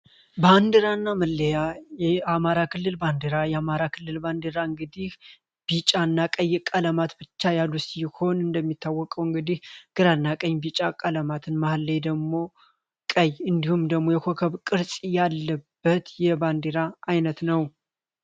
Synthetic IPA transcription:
band̪ɨɾanːaməlːəjajɛamaɾakʰɨlːɨlband̪ɨɾajɛamaɾakʰɨlːɨlband̪eɾaɨŋɡɨd̪ih | b̥it͡ʃʼanːakʼəjːkʼələmat̪bɨt͡ʃːajalːusiho̞nɨnd̪əmːit̪ʰːawːɔkʼəwɨŋɡɨd̪ihɡ̥ɨɾanːakʼəɲːbit͡ʃʼakʼələmat̪ʰɨnmahlːəjd̪əɡmo̞ | kʼəjːɨnd̪ihumd̪əɡmo̞jɛkʰo̞kʰəβkʼɨɾsʼijalːəbːət̪jɛband̪eɾaʔajnət̪nəw

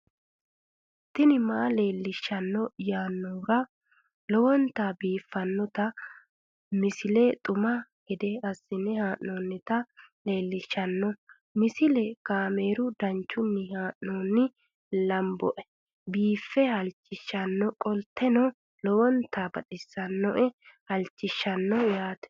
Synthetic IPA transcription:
t̪ːɪnɪmaːle̞ːlːɪʃːɐnːɔjaːnːuːɾɐ | lɔwɔnt̪aːbiːfːɐnːɔt̪ɐ | mɪsɪlet̪ʼʊmɐɡ̥ɛd̪ɛɐsːɪnɪhaːʔoːnːɪt̪ɐle̞ːlːɪʃːɐnːɔ | mɪsɪlɛkaːme̞ːɾʊd̪ɐnt͡ʃːʊnːɪhaːʔnoːnːɪ | lɐmbɔʔɛ̥ | biːfːɛhɐlt͡ʃːɪʃːɐnːɔkʼɔlt̪ːɛnɔ | lɔwɔnt̪ʰaːbɐᶑɪsːɐnːɔʔɛhɐlt͡ʃːɪʃːɐnːɔjaːt̪ɛ̥

